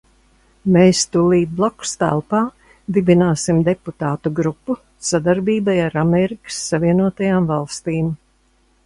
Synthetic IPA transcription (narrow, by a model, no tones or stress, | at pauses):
meːst̪uliːd̪̚blˠɔku̥st̪æ̰lˠpaː | d̪ibinaːsimd̪eput̪aːt̪uɡɾupːu | sad̪aɾbiːbajaɾamɛɾikə̥sːaviɛnuɔt̪ajaːmvalˠst̪iːm